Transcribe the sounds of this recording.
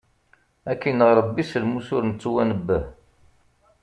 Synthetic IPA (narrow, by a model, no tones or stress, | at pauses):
ækːinəʁɾˤəbːisəlmuθʊɾnət͡sːuwænəbːəh